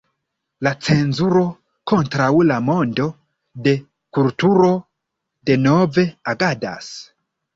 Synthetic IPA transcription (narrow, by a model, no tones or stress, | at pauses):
lat͡se̞nzuɾo̞ | ko̞ntɾawlamo̞ndo̞ | de̞ | kultuɾo̞ | de̞no̞ve̞aɡada̰s